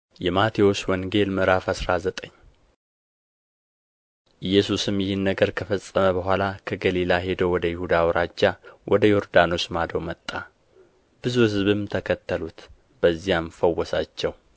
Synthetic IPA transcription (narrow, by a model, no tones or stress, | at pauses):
jɛmat̪ʰeo̞swɔŋɡe̞lmɨɾafasɾazət̪ʼəɲː | ʔɨjːɛsusɨmjɪhɨnːəɡəɾkʰəfəsʼːəməbəɦʷalakʰəɡəlilaɦe̞d̪əwwɔd̪əjɪhud̪awɔɾad͡ʒːawʔɔd̪əjo̞ɾd̪ano̞smad̪əwmət̪ʼːa | b̥ɨzuhɨzβɨmt̪ʰəkʰət̪ʰːəlut̪ | b̥əzːijamfəwːɔsat͡ʃːɛw